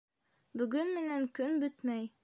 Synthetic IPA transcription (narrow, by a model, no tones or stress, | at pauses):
bɵ̆ɡɵnmɘ̆næŋkɵnbɵt̪mæj